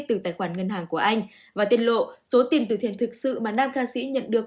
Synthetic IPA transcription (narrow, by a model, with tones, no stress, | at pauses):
t̪ɨ˨˩t̪aː˧˩jxwaː˧˩nŋə˧nɦaː˨˩ŋku˧˩əʔa˧jŋ̟ | vaː˨˩t̪i˧ənlo̰˧˨so˨˦t̪i˨˩ənt̪ɨ˨˩t̪ʰe˧˩nt̪ʰɨ˨˩k̚sɨ̰˧˨maː˨˩naː˧mxaː˧sḭ˧˥ɲə̰˧˨nɗɨ˨˩ək̚